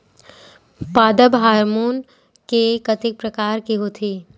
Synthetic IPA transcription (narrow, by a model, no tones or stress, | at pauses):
paːd̪əbɦaːɾmuːn | kekət̪ɪk̚pɾəkaːɾkiɦot̪ʰiː